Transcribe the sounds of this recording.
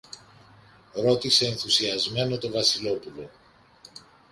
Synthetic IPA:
ɾo̞t̪ise̞ːnθusiɐzme̞no̞t̪o̞vɐsilo̞pulo̞

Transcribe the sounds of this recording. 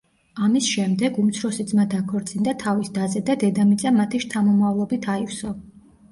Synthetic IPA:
amisʃɛmd̪ɛɡumt̪sʰɾɔsid̪zmad̪akʰɔɾt̪sʼind̪at̪ʰavisd̪azɛd̪ad̪ɛd̪amit̪sʼamat̪ʰiʃt̪ʰamɔmavlˠɔbit̪ʰaifsɔ

